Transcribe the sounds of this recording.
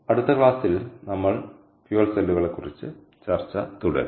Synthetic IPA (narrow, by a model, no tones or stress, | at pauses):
ɐɽut̪ːɐkɭaːsilnɐmːɐɭ | fjuɐlselːuɣɐɭe̞kːurit͡ɕːɨ | t͡ɕɐrt͡ɕːɐ̰t̪uɽɐ̰ɾ